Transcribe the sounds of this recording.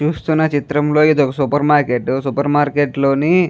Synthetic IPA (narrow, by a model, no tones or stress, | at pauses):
t͡ʃuːst̪unːɐt͡ʃit̪ɾɐmlo̞ːid̪ɔkɐsupɐɾmaːɾkeʈːsupɐɾmaːɾkeʈlo̞ːni